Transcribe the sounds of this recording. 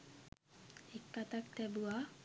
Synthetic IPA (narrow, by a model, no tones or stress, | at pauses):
ekːat̪ak̚t̪ɛbua